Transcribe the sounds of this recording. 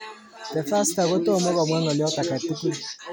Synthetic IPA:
dɛ˨fa˦sta˨ɣo˦to˦˨mɔ˦ɣɔ˨mwɛ˦ŋɔ˨li˨˦ɔ˦ta˨ka˨ti˦ku˦˨

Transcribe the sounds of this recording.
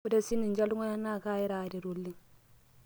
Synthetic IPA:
u˦da˦si˦ni˨nd͡ʒa˦lu˦ŋo˦ja˦na˦˨ka˦˨ji˦ɾa˨di˨ɾu˨lːi˦ŋ

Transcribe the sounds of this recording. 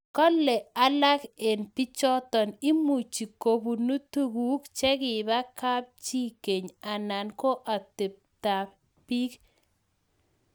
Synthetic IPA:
kɔ˦lɛ˨a˨˦la˦ke˨npi˦t͡ʃɔ˦tɔ˨ni˦mu˨t͡ʃi˨ko˨bu˨nu˦tu˦ɡu˦kt͡ʃɛ˦kɪ˨ba˦ka˦p̚t͡ʃi˦ke˨ɲa˨na˨nko˦ʔa˨tɪ˨p̚ | ta˨ | pi˦k

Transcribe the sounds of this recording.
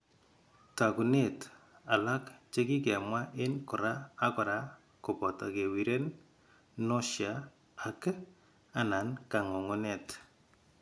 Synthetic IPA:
ta˨ku˨ne˦˨t | a˨la˦kt͡ʃe˦ki˦kɛ˨mwa˦ʔɪ˦nkʊ˨ɾaː˦kʊ˨ɾa˦ | kʊ˨pɔ˨ta˨ke˨wi˨ɾe˦n | no˦ʃja˦ | a˨k | a˨na˨nka˨ŋo˨ŋʊ˦ne˦˨t

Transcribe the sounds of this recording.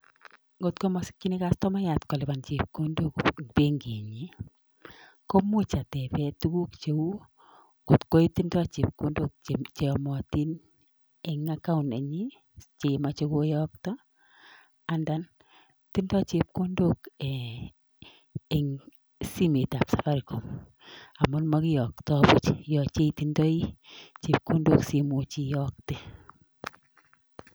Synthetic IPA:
ɡo˨t̚ko˦mɔ˨si̥˦kt͡ʃi˦ni˦ka˦stɔ˦ma˦ja˨tkɔ˨lɪ˨ba˨nt͡ʃe˨p̚ko˦ndo˦kpe˦ŋɡe˨ɲi˦ | ko˦mʊ˦t͡ʃa˨tɛ˨pɛ˦tu˦ku˦kt͡ʃe˨wu˦ | ɡo˨tko˦i˦ti˦ndɔ˦˨t͡ʃi˨p̚ko˦ndo˦k̚t͡ʃe˨ɔ˨mɔ˨ti˦n | e˨ŋa˦ka˦ʊ˨nḛ˨ɲi˦ | t͡ʃe˨ma˦t͡ʃe˦ko˦jɔ˦ktɔ˦ | a˨nda˨n | ti˦ndɔ˦t͡ʃe˨p̚ko˦ndo˦ke | e˨ŋ | si˦me˨ta˨psa˨fa˦ɾi˨ko˨m | a˨mʊ˦nmɔ˦kɪ˦jɔ˨k̚tɔ˦bʊ˦t͡ʃjɔ˨t͡ʃe˦i˦ti˦ndɔ˦i˦t͡ʃe˨p̚ko˦ndo˦ksi˦mu˨t͡ʃi˦jɔ˦k̚te˦

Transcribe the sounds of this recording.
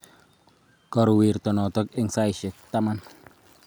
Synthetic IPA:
kɔ˨ɾwi˨ɾtɔ˨nɔ˨tɔ˦kɪ˦ŋsa˦jʃɪ˨k̚t̪a˦ma˦n

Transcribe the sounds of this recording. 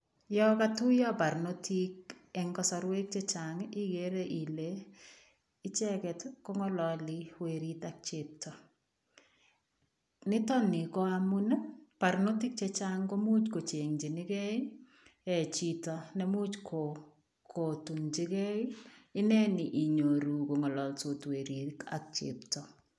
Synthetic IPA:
jɔ˦ka˦tu˦ja˦pa˨ɾno˦ti˦k̚ | ɛ˨ŋkɔ˦sɔ˨ɾwe˦k̚t͡ʃe˦t͡ʃaŋi˦ɡe˦ɾe˦ʔi˨le˨ | ɪ˦t͡ʃɛ˦kɛ˨tkɔ˦ŋɔ˦lɔli˦we˨ɾi˦tak̚t͡ʃep̚tɔ˨ | nɪ˦tɔ˦nɪ˨ko˦a˦mu˦n˦pa˨ɾno˦ti˦k̚t͡ʃɛ˦t͡ʃaŋko˦mu˦t͡ʃko˨t͡ʃe˨ŋd͡ʒi˨nɪ˦kɛ˦i | ɛ˨t͡ʃi˨tɔ˨ne˦mu˦t͡ʃkʰo˨ | kʰo˨tu˨ŋt͡ʃi˦kɛ˦iɪ˦nɛ˦ni˨ʔi˨ɲo˨ɾu˨ko˨ŋɔ˨lɔ˨lto˨twe˨ɾi˨ka̰k̚t͡ʃḛ˨ptɔ˨

